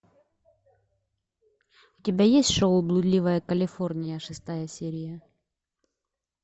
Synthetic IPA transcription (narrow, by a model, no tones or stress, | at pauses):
ʊtʲɪbʲajesʲtʲʂoʊblˠʊd̪ʲlʲivəjəkəlʲɪfornʲɪjəʂɨst̪ajəsʲeɾʲɪjə